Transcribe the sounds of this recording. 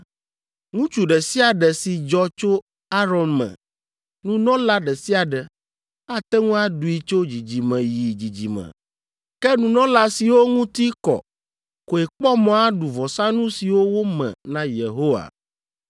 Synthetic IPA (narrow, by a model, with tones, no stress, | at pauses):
ŋũ˦t͡ʃu˨ɖɛ˨si˦a˨ɖɛ˨si˨d͡ʒɔ˨t͡ʃo˦ | a˦ɾɔ˨nmɛ̰̃˨ | nũ˦nɔ̃˦la˦ɖɛ˨si˦a˨ɖɛ˨ | a˦t̪ɛ˦ŋũ˦a˦ɖu˨i˨t͡ʃo˦d͡ʑi˨d͡ʑi˨mɛ̃˨ji˨d͡ʑi˨d͡ʑḭ˨mɛ̰̃˨ | kɛ˦nũ˨nɔ̃˦la˨si˨wo˦ŋũ˦t̪i˦kɔ̰˨ | ko˨e˨k͡pɔ˦mɔ̃˨˦a˦ɖu˨vɔ˨sa˦nũ˦si˨wo˦wo˦mɛ̰̃˨nã˦je˨ɦo˦wa̰˨